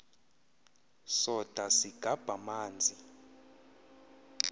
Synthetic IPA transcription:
sɔd̥ʱasiɡ̥ʱab̥ʱamaːnd͡zʱi

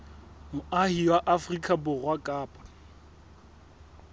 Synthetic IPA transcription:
mʊahiwaʔafrikʼabʊɣwakʼaːpʼḁ

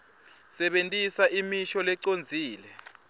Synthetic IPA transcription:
sɛɓentʼisaʔimiʃɔlɛǀond͡zʱiːlɛ

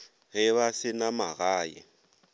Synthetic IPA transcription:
ɣɪβasɪnamaɣaːjɛ̰

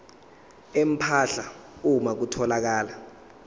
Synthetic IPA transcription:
em̩pʰaɬaumak̬utʰɔlak̬aːla

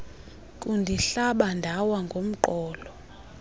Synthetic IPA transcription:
kʼundʱiɬaɓandʱawaŋɡʱom̩ǃɔːlɔ

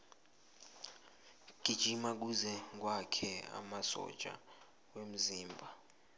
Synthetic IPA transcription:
ɡ̥ʱid̥ʒ̥ʱimak̬uzɛŋk̬ʼwakʰɛa̰masɔ̰̥t͡ʃʼa̰ | wem̩ziːmbʱa

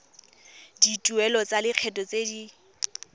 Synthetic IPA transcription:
ditʼuɛlɔt͡sʼalɪq͡χʰɛtʼɔt͡sedi

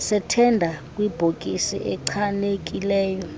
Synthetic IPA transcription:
sɛtʰɛndʱakʼwib̥ʱokʼisḭʔɛǀʰanek̬ʼilɛːjɔ

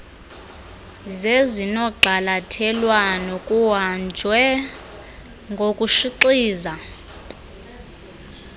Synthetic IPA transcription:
zezinɔɡ͡ǃʱalatʰɛlwanɔkʼuwand͡ʒʱwɛ | ŋɡʱokʼuʃiǀiːza

